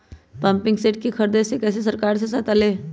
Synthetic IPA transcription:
pɐ̃mpɪ̃ŋɡseːʈ̚kikʰɐɾd̪esekɛːses̬ɐɾkaːɾs̬esat̪aːleː

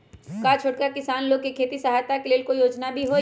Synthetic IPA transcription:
kat͡ʃʰoɽkakɪsaːnloːɡ̚kekʰeːt̪isɐɦaːjt̪akeleːlkojoːd͡ʒnabʱiɦo

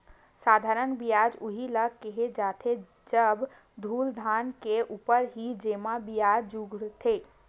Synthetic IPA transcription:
sad̪ʱaɾənbijad͡ʒuɦiləkeɦed͡ʒat̪ʰe | d͡ʒəb | d̪ʱuld̪ʱankeʔuːpəɾɦid͡ʒemabijad͡ʒd͡ʒuɡʱɽt̪ʰe

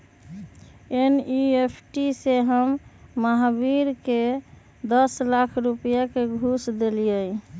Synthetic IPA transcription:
eniepʰʈiseɦəmːaɦbiɾke | d̪əslakʰɾupjakeɡʱusd̪elijəj

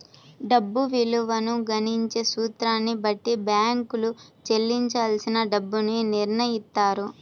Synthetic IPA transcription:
ɖɐbːuʋiluʋɐnuɡɐniɲt͡ʃeːsuːt̪ɾaːnːibɐʈːibjaːŋkulut͡ʃelːiɲt͡ʃaːlsinɐɖɐbːuniniɾɳɐjist̪ːaːɾu

